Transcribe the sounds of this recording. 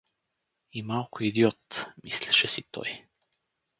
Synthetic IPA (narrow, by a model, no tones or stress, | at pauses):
imalˠkʊid̪iɔt̪mislɛʃɛsit̪ɔ̰j